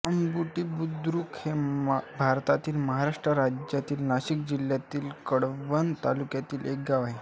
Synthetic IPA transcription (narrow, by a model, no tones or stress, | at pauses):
əmbuʈiːbud̪ɾuːkhebʱaɾt̪at̪iːlməɦaɾaʂʈɾəɾad͡ʑjat̪iːlnaɕik̚d͡ʑiljat̪iːlkəɽʋənt̪alukjat̪iːlʔek̚ɡaʋaɦe